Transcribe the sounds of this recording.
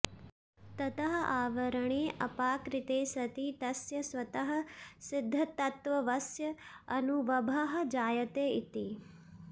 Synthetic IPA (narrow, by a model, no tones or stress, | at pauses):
t̪ɐt̪ɐɦɐ̆ʔaːʋɐɾɐɳeːʔɐpaːkɾit̪eːsɐt̪it̪ɐsjɐsʋɐt̪ɐɦɐ̆sid̪ʱːɐt̪ɐt̪ʋɐʋɐsjɐɐnuʋɐbʱaɦɐ̆d͡ʒaːjɐt̪eːit̪i